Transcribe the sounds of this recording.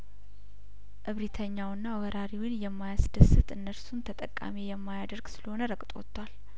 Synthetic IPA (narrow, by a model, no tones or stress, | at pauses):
ʔɨβɾit̪ʰəɲːawɨnːawəɾaɾiwinjɛmːajasd̪əsɨt̪ɨnːəɾsunt̪ʰət̪ʼəkʼːa̰mijɛmːajad̪əɾɡsɨləho̞nəɾəkʼt̪ʼwɔ̰t̪ʰːwal